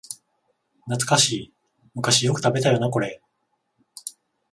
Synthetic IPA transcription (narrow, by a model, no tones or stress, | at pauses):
nat͡sɨ̥kaɕiː | mɯ̟kaɕijo̞kɯ̟̥t̪abe̞t̪ajo̞nako̞ɾe̞